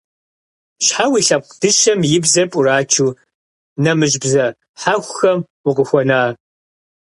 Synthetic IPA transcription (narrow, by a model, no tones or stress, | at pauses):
ɕħawiːɬɐp̚qʷd̥ɨʃɐmjɪbzɐpʼʊraːt͡ʃʰuː | nɐmɨʒbzɐ | ħaxʷxɐm | ʊqəxʷɔnaː